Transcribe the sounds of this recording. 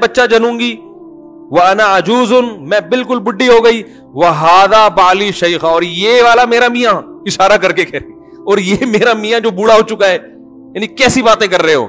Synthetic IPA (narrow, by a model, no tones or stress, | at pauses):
bɐtːʃad͡ʒɐnũːŋɡiː | ʋɐɐnaɐd͡ʒuːzʊnmɛ̃ːbɪlkʊlbʊɖːiɦoːɡɐiː | ʋɐɦaːd̪aːbaːliʃɐjxaɔːɾjeːʋaːlameːɾamijãɪʃaːɾak̬ɐɾkekʰɛɾẽ | ɔːɾjeːmeːɾamijãd͡ʒoːbʊɽaɦoːt͡ʃʊkaɦɛː | jaːnĩkɛːsibaːt̪ẽkɐɾːəɦeɦo̰ː